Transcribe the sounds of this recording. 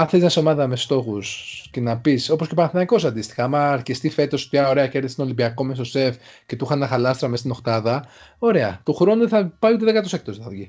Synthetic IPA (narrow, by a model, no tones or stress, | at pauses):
ɐnθeliznɐseo̞mɐðɐme̞st̪o̞xusce̞nɐpiso̞posce̞pɐnθinɐiko̞sɐnd̪ist̪i̥xɐɐmɐːɾcist̪ife̞t̪o̞so̥t̪iɐo̞ɾe̞ɐce̞ɾðise̥t̪olibiɐko̞mesose̞f | ce̞t̪uxɐnnːɐxɐlɐst̪ɾɐme̞st̪inoxt̪ɐðɐo̞ɾe̞ɐt̪oxɾo̞nuðeθɐpɐjut̪eðekɐt̪osek̚t̪osθɐvʝi